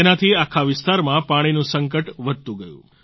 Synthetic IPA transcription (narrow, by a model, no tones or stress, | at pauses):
enat̪ʰiakʰaʋɪst̪aɾmãpaɽ̃inũsəŋkəʈʋəd̪̚ʱt̪ũɡəjṵ̃